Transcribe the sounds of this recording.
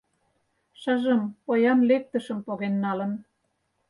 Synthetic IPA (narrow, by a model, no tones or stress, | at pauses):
ʃə̆ʒə̆mpojɑnlek̚t̪ə̆ʃə̆mpoɣenːɑlə̆n